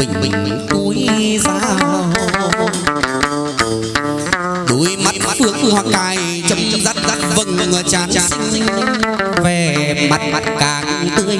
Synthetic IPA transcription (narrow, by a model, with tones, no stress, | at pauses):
ï˨˩ŋ̟ɓï˨˩ŋ̟˨ku˨˧˦jzaː˧˥ | ɗu˨˦jma˨˥t̚fɨ˧˩əŋfɨ˧əhwaː˨˩kaː˧˨˩j | t͡ɕə˨˧˨wŋ͡mt͡ɕə˦zaː˦˥t̚zaː˦˥t̚və˧˩ŋ˨ŋəː˨˩t͡ɕaː˧˨˩nt͡ɕaː˨si˨˧˥ŋzï˧ŋ̟˧˦ve˨˩ma˨˩t̚ma˨˩t̚kaː˨˩kɨ˧˦t̪ɨ˧˦ə